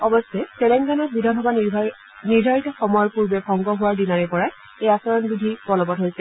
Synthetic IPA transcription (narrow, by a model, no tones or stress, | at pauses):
ɔbɔsɛselɛŋɡanɔt̚bidʱanxɔba | niɹdʱaɹitɔxɔmɔjɔɹpuɹbɛkɔŋɡɔɦʊwaɹdinaɹɛpɔɹa | ejasɔɹɔnbidʱipɔlɔbɔtɦojsɛ